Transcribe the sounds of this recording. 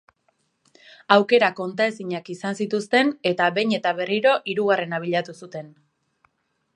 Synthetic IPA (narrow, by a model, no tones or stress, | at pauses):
awke̞ɾako̞nt̪ae̞siɲakisansit̪ust̪e̞ne̞t̪aβe̞jɲe̞t̪aβe̞riɾo̞ʔiɾuɣare̞naβ̞iʎat̪usut̪e̞n